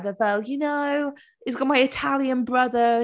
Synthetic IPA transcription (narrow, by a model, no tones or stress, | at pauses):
ðəvɛlˠjunow | ɪzɡɔmajɪtʰalˠjə̃nbɹʌðə